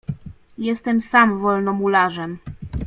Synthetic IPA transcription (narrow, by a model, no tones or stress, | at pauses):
jɛst̪ɛmsamvɔlnɔmulaʐɛm